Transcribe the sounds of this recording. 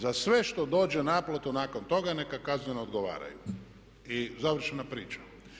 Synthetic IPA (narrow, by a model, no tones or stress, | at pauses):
zasʋe̞ʃt̪o̞d̪o̞ːd͡ʒe̞naplˠot̪unaːko̞nt̪o̞ɡanekakazɲenood̪ɡo̞ʋa̰ːɾa̰jṵ | izaʋɾr̩ʃenapɾiːt͡ʃḁ